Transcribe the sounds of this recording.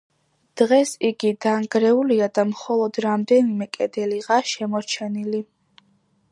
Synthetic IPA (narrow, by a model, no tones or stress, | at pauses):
d̪̥ʁɛsiɡid̪aŋɡɾɛuliad̪amχɔlˠɔd̪̥ɾamd̪ɛnimɛkʼɛd̪ɛliʁaʃɛmɔɾt͡ʃʰɛnili